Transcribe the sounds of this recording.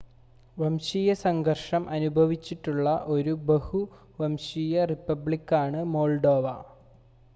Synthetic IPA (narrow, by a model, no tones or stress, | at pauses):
ʋɐmɕijɐsɐŋɡʱɐrʂɐmʔɐnubʱɐʋit͡ɕːiʈːuɭːɐʔo̞ɾubehu | ʋɐmɕijɐripːɐbɭikːaːɳɨmoːlɖo̞ːʋɐ